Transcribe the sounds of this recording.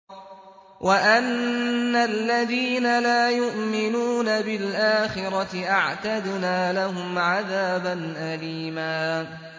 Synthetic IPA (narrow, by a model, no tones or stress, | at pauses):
wʔaʔanːalːaðiːnalaːjʊʔmɪnuːnabɪlʔaːxɪɾˤɑtɪʔaʕt̪ad̪naːlaɦʊmʕaðaːbanʔaliːmaː